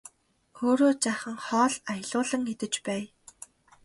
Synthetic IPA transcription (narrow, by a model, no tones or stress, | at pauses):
oːɾoːt͡ɕaχə̆ŋχɔːɮaj̆ɮʊːɮə̆ŋet̪ɘ̆t͡ɕpæː